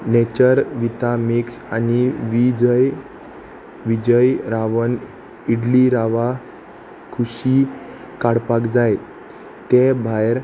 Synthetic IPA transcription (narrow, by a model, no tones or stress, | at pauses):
net͡ɕəɾʋit̪amiksaniʋid͡ʑəj | ʋid͡ʑəjɾaʋən | iɽliɾaʋa | kʰuɕi | kaɽpakd͡zaj | t̪ebʱajɾ